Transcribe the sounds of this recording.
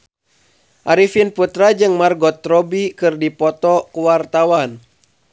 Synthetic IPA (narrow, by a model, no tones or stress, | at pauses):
ʔaɾifinput̪ɾad͡ʒɨŋmarɡɔt̪ɾɔbikɨrdipɔt̪ɔkuwart̪awan